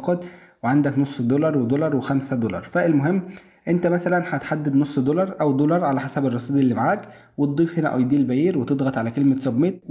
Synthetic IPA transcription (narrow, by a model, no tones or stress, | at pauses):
qɑd̪ | weʕand̪æknosˤːd̪olɑɾˤwed̪olɑɾˤwexæmsæd̪olɑ̰ɾˤfæʔelmoɦemː | ʔent̪æmæsælænħæt̪ħad̪ːed̪nosˤːd̪olɑɾˤʔæwd̪olɑɾˤʕalæħasæberˤːɑsˤiːd̪iʔelːiːmaʕaːk | wet̪̚d̪ˤiːfhenæ̰ʔɑ̰jd̪iːlbæjiɾwet̪ed̪ˤɣɑt̪ˤʕalækelmesɑbmeːt̪̚